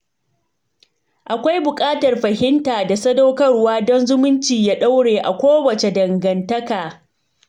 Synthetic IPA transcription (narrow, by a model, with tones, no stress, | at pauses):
ʔa˨kʷa˦jbʊ˨kʼaː˦tɐ˨rɸɐ˨hɪ˦ntaː˨da˨sɐ˦da˦wkɐ˦rwaː˦dɔ˦nzʊ˦mʊ˦nt͡ʃiː˨jaː˦ɗa˦wɽeː˨ʔa˨kʷoː˦wɐ˨t͡ʃe˨dɐ˨ŋɡɐ˨ntɐ˦kaː˨